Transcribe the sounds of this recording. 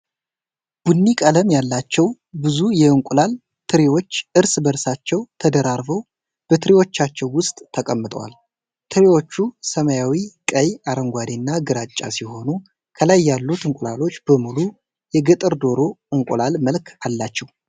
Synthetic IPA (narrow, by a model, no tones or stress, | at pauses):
b̥unːikʼələmjalːat͡ʃːɛw | bɨzujɛɨŋkʷʼʊlal | t̪ʰɨɾewo̞t͡ʃːʔɨɾsbəɾsat͡ʃːɛwt̪ʰəd̪əɾaɾbəw | b̥ət̪ʰɨɾiwo̞t͡ʃːat͡ʃːɛwːʊst̪ʼt̪ʰəkʼəmːɨt̪ʼəwa̰l | t̪ʰɨɾewo̞t͡ʃːusəməjawikʼəjaɾəŋɡʷad̪inːaɡɨɾat͡ʃʼːa̰siho̞nu | kʰəlajːalːut̪ʰɨŋkʼla̰lo̞t͡ʃːb̥əmulu | jɛɡɨt̪ʼɨɾd̪o̞ɾo̞ʔɨŋkʷʼʊlalməlkʰalːat͡ʃːɛw